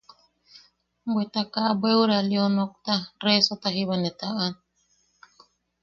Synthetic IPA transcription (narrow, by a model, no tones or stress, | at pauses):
mbwet̪akabwewuɾalionok̚t̪aɾesot̪aɦiβanet̪aan